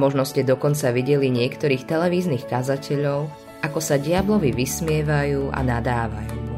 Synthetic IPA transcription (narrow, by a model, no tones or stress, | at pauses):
mɔʒnɔscɛd̪ɔkɔnt͡saʋiɟɛliɲɪɛkt̪ɔɾiːxt̪ɛlɛʋiːzniːxkazacɛʎɔʊ | ʔakɔsaɟɪablɔʋiʋismɪɛʋajuːa̰nad̪aːʋa̰juː